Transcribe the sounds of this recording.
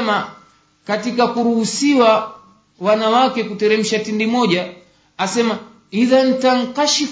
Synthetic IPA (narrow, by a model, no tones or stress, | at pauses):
ma | katikakuɾuhusiwa | wanawakɛkutɛɾɛm̩ʃatindimɔʄaː | sɛma | iðan̩taŋ̩kaʃif